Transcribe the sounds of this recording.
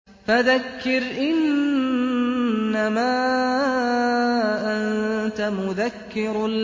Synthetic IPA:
faðakːɪɾʔɪn | amaː | ʔant̪amʊðakːɪɾl

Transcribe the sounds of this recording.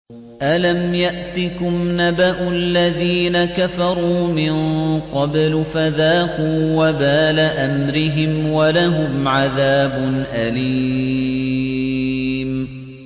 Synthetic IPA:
ʔalamjaʔt̪ɪkʊmnabaʔʊlːaðiːnakafɑɾˤuːmɪnqɑblfaðaːqʊwabaːlaʔamɾɪɦɪmwalaɦʊmʕaðaːbʊnʔaliː | m

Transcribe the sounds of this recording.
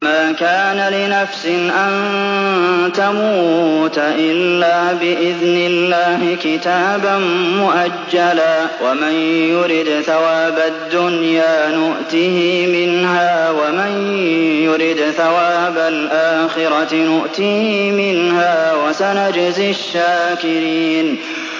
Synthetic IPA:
maːkaːnalɪnafsɪnʔan | t̪amuːt̪aʔɪlːaːbɪʔɪðnɪlːaːhɪkɪt̪aːbanmʊʔad͡ʒːalaːwamɪnjʊɾɪd̪θawaːbad̪ːʊnjaːnʊʔt̪ihɪmɪnɦaːwamɪnjʊɾɪd̪θawaːbalʔaːxɪɾɑnʊʔt̪iːhimɪnhaːwasanad͡ʒzɪʃːaːkɪɾiːn

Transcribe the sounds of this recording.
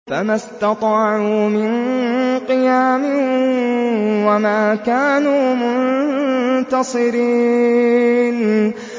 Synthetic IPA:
famast̪ɑt̪ˤɑːʕuːmɪnqɨjaːmɪ | wamaːkaːnuːmʊn | t̪ɑsˤɨɾiː | n

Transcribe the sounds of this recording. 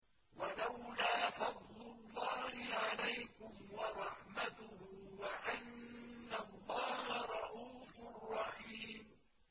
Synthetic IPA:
walawlaːfɑd̪ˤlʊlːɑːhɪʕalajkʊmwɑɾˤɑħmat̪ʊhʊwaʔanːalˤːɑːhaɾˤɑʔuːfʊrˤːɑħiːm

